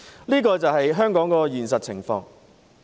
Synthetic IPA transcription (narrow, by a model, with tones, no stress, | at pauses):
liː˥k̬ɔː˧t͡sɐ˨wɦɐ˨jɦœː˥ŋkɔː˨˥ŋkɔː˧jyː˨˩nsɐ˨t̚t͡sʰɪ˨˩ŋfɔ̰ː˧ŋ